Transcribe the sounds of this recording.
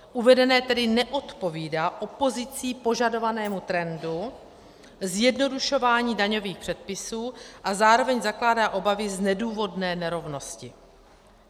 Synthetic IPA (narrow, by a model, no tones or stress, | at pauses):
ʔuvɛdɛnɛːt̪ɛdɪnɛʔo̞t̪po̞viːdaːʔo̞po̞zɪt͡siːpo̞ʒado̞vanɛːmut̪ɾɛndu | zjɛdno̞duʃo̞vaːɲiːdaɲo̞viːxpr̝̥ɛt̪̚pɪsuːʔazaːɾo̞vɛɲzaklaːdaːʔo̞bavɪznɛduːvo̞dnɛːnɛɾo̞vno̞scɪ